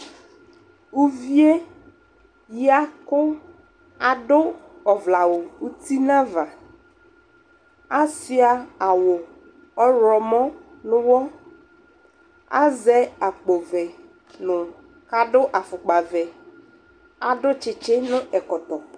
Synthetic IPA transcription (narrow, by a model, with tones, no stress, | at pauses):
u˦vi˦e˦ | ji˦a˦kʊ˦ | a˨ɖʊ˦ɔ˨vla˨wʊ˨u˦t̪i˦nã˦va˨ | a˦sɪ˦a˨a˨wʊ˨ | ɔ˦ɾɔ˨mɔ̃˦ | nʊ̃˦wɔ˦ | a̰˦zɛ˦a˨k͡po˨vɛ˨ | nʊ̃˨ | ka˨ɖʊ˦ʔa˨fʊ˨k͡pa˨vɛ˨ | a˨ɖʊ˦t͡ʃɪ˨t͡ʃɪ˦nʊ̃˦ʔɛ˨kɔ˨t̪ɔ˨